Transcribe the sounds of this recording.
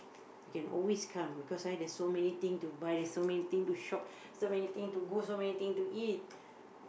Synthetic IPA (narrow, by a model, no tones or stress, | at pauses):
jikɛ̃nʔɔ̰lweskʰãmbikɔswajdɛsːomɛnit̪ĩŋtubajdɛsːomɛnit̪ĩŋtuʃɔk̚ | somɛnit̪ĩŋtuɡosomɛnit̪ĩŋtuʔit̚